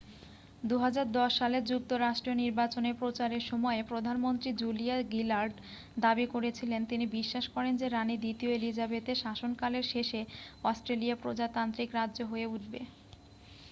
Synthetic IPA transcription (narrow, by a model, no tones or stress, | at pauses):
d̪uɦad͡ʑaɾd̪ɔʃːaled͡ʑuk̚t̪oɾaʃʈɾioniɾbat͡ɕoneɾpɾot͡ɕaɾeɾʃɔmɔepɾod̪ʱanmont̪ɾid͡ʑuliaɡilaɾɖ | d̪abikoɾet͡ɕʰilent̪inibiʃːaʃkɔɾend͡ʑeɾanid̪it̪ioelid͡ʑabet̪eʃaʃonkaleɾʃeʃeɔsʈɾelijapɾod͡ʑat̪ant̪ɾikɾadːʑoɦoeuʈ̚ʰbḛ